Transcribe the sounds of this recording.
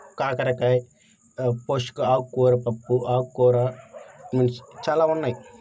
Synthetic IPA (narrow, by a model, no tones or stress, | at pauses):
kaːkɐɾɐkaj | poʃkuaːkːuːɾɐpɐpːuʔaːkːoːɾamenst͡ʃaːlaːunːaj